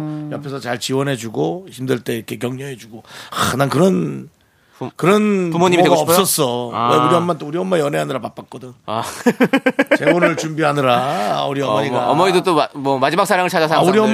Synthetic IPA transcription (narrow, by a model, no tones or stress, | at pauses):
jʌpʰesʰʌt͡ɕaɭt͡ɕiwʌnɦe̞d͡ʑuɡoçimdɯɭt͈e̞ɾkʰe̞kjʌŋɲʌɦe̞d͡ʑuɡoanaŋkɯɾʌn | kɯɾʌnpumoɲimieɡaʌps͈ʌs͈ʌweuɾiʌmant͈ouɾiʌmmajʌneɦanɯɾapap͈ak͈̚ʌdɯn | t͡ɕe̞monɯɭt͡ɕumbiɦanɯɾa̰uɾiʌmʌɲiamʌɲidot͈omʌmad͡ʑimak̚s͈ʰaɾaŋɯɭt͡ɕʰad͡ʑasʰaauɾiʌm